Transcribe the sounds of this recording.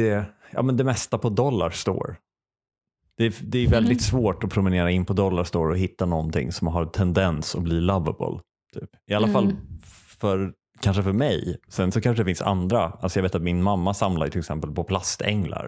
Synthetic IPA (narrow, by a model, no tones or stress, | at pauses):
ɛjɑ̰ːmɛnd̪ɛmɛst̪apʰɔd̪ɔlːa̰ɾst̪o̰ːɾ | d̪̥ɛd̪ɛːɾjɵvɛld̪ɪt̪svoːʈɔpʰɾʊmɛneːɾaɪnːpʰɔd̪ɔlːaʂt̪oːɾɔhɪt̪ːanɔnt̪ɪ̰ŋːsɔmɦaɾt̪ʰɛnd̪ɛnsɔbliːlavə̰bɔ̰l | t̪ʰy̰ːpɪalːafal | fœɾ | kʰanʂəfœɾmɛjsɛnsɔkʰanʂəɖ̪ɛfɪnsa̰nd̪ɾaalsɔjɑveːt̪at̪mɪnmamːasamlaɾjt̪ʰɪlɛksɛmpəlpɔpʰlast̪ʰɛ̰ŋla̰ɾ